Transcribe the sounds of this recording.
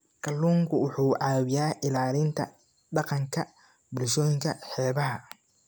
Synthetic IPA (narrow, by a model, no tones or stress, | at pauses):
kʰɐlːuːŋkʰʊwʊħuːʕaːwɪjaːʔɪlaːlɪnt̪ʰɐ̰ | ɖɑqɑŋkʰɐ | bʊlʃɔːjɪŋkʰɐħɛːβɐɦɐ